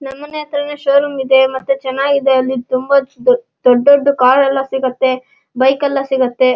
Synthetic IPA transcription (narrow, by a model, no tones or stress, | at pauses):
nɐmːɐneːɐt̪ɐɾɐneʃoːɾumid̪e̞mɐt̪ːut͡ʃɛnaːɡid̪ɐɐlːit̪umbɐ | d̪̥oɖːoɖːukaːɾɛlːɐsiɡɐt̪ːe̞ | bɐjkɐlːɐsiɡɐt̪ːe̞